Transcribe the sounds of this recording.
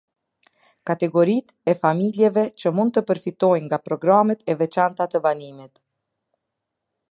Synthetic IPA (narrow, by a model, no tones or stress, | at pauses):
kat̪ɛɡɔɾit̪ɛfamiljɛvɛt͡ɕəmund̪t̪əpəɾfit̪ɔjŋɡapɾɔɡɾamɛt̪ɛvɛt͡ʃant̪at̪əvanimit̪